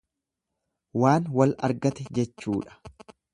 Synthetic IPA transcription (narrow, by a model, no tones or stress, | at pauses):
waːnwɐlɐ̰ɾɡɐt̪ɛd͡ʒɛt͡ʃːuːᶑɐ̥